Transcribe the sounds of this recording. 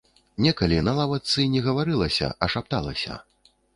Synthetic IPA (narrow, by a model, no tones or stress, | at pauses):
nʲɛkɐlʲinɐlˠavɐt̪sɨnʲɛɣɐvaɾɨlˠɐsʲɐ̰ʔɐʂap̚t̪a̰lˠɐ̰sʲɐ̰